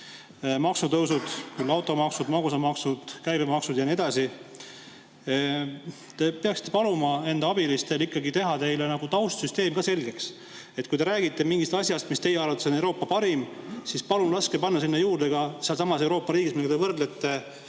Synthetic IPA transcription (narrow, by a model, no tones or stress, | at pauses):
mɑksut̪ɤwsud̪̥kylːɑwt̪ːˑo̞mɑksud̪mɑɡusɑmɑksud̪̥kæjbemɑksud̪̥jɑnie̞d̪̥ɑsi | t̪e̞peɑksi̥t̪ːˑepɑlumɑe̞nd̪ɑɑbilist̪e̞likːˑɑɡit̪e̞ɦɑt̪e̞jlenɑɡ̥ut̪ɑwst̪syst̪e̞ːmɡɑse̞lʲɡe̞ks | e̞t̪̚ːkujd̪e̞ɾæːɡit̪ːˑe̞miŋɡist̪ɑsʲjɑst̪mist̪e̞jeɑrvɑt̪ːˑesonewɾo̞ːpːɑpɑɾimsispɑlunlɑskepɑnːɑsinːejuːrd̪̥eɡ̥ɑseɑlsɑmɑse̞wɾo̞ːpːˑɑɾiːɡismilɡd̪evɤrd̪le̞t̪ː